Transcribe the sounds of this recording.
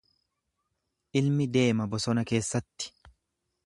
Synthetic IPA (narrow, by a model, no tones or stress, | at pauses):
ʔɪlmɪd̪e̞ːmɐbɔsɔnɐke̞ːsːɐt̪ːɪ̥